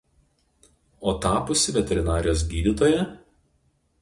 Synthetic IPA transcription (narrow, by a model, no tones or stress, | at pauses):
oːt̪ɑːpʊsʲɪʋʲɛt̪ʲɛɾʲɪnɑːɾʲɪjoːs̬ɡʲiːd̪ʲɪt̪oːjɛ